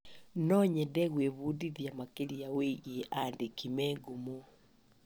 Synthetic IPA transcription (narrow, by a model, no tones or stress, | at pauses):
nɔɲɛdɛɣweβuːdiðjamakeɾiaweɣeʔandekimɛɡumu